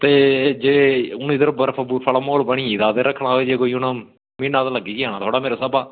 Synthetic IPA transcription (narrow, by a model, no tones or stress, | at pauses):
t̪eːd͡ʒeːʊniːd̪əɾəbəɾpʰəbuːɾpʰəlaːmoːlbəɳ̃iːiːd̪aːd̪eːɾəkʰːɽaːɦoːeːd͡ʒeːkoːiʊnə̃ | mĩːnãːt̪aːləɡiːkɪaːnaːt̪ʰoːɽaːmeːɾaːsəbaː